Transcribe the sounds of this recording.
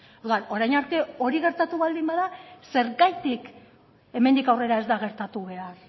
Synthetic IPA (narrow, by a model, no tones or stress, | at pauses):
o̞ɾðuano̞ɾajnaɾt̪e̞o̞ɾiɣe̞ɾt̪at̪uβald̪imbaðase̞ɾɣajt̪ik | e̞me̞nd̪ikawre̞ɾae̞zd̪aɣe̞ɾt̪at̪uβ̞e̞ar